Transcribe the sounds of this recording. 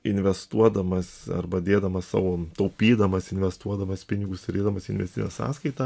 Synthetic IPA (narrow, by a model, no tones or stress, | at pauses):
ɪnʲʋʲɛst̪uɔd̪ɐmɐsɐ̰rbɐd̪ʲeːd̪ɐmɐssɑ̰ːʋoːt̪ɐʊpʲiːd̪ɐmɐsɪnʲʋʲɛst̪uɔd̪ɐmɐspʲɪnʲɪɡʊst̪ʲɐɾʲeːd̪ɐmɐsɪnʲɛsʲt̪ʲɪ̰nʲɛ̰sɑ̰ːskɐɪt̪ɐ